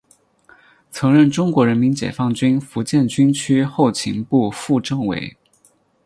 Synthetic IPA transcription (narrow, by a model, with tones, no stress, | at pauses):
t͡sʰɤ˧˥ŋɻə˥˩nʈ͡ʂʊ˥ŋkwɔ˧˥ɻə˧˥nmi˧˥nt͡ɕjɛ̰˨˩fɑ˥˩ŋt͡ɕy˥nfu˧˥t͡ɕjɛ˥˩nt͡ɕy˥nt͡ɕʰy˥xo˥˩ʊt͡ɕʰḭ˧˥ŋpu˥˧fu˥˧ʈ͡ʂɤ˥˩ŋwḛ˧˥ɪ